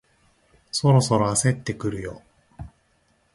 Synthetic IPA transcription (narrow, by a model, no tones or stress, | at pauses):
so̞ɾo̞so̞ɾo̞ase̞t̪ːe̞kɯ̟ɾɯ̟jo̞̰